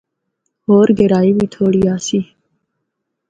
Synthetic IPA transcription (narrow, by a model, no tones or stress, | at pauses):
hoːɾɡeɾaːiːbiːt̪ʰoːɽiːaːsiː